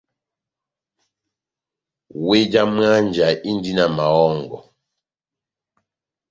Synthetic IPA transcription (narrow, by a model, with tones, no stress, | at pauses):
we˦d͡ʒa˦m˦a˦nd͡ʒa˨i˦n˦di˦na˨ma˨wɔ˦ŋɡɔ˨